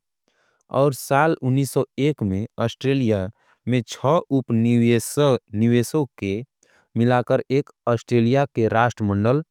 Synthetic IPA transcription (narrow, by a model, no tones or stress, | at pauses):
ɔ̰ːɾsaːlʊnːiːsɔeːkmẽɔːsʈɾeːlija | mẽt͡ʃʰɔupsnɪʋeːsoke | mɪlakəɾeːk | ɔːsʈɾeːlijakeɾaːʃʈɾəmə̃ɳɖəl